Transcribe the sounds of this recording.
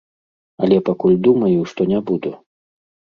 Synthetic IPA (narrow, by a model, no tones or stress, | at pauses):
ɐlʲɛpakulʲd̪umɐjuʂt̪ɔnʲabud̪u